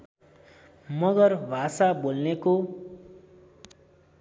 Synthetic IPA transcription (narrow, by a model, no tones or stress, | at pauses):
mʌɡʌrbʱasabolneko